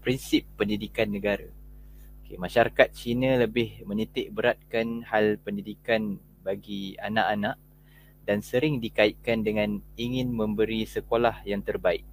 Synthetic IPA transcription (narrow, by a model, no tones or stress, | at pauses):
pɾinsɪpːəndidikanːə̃ɡaɾaokḛmaʃaɾakat̪̚t͡ʃinãləbɪhmə̃nit̪ɪʔ̚bəɾat̪̚kanhalpəndidikan | baɡia̰nãʔanãʔ | dansəɾɪŋdikait̪̚kandəŋãniŋɪ̃nmə̃mbəɾisəkolahjaŋt̪ərbaɪk̚